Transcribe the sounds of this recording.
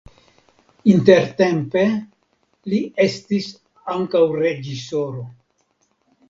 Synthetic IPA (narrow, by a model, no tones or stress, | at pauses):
inte̞ɾte̞mpe̞ | lie̞stis | aŋkawɾe̞d͡ʒiso̞ɾo̞